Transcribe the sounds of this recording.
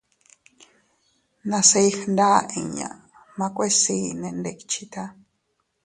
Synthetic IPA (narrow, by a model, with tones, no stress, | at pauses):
nã˧se˧i˦xnda˦ĩ˨ɲã̰˨ | mã˧kʷe˦si˧˦nẽ˧nde˧kit͡ʃʰi˧˦t̪a˦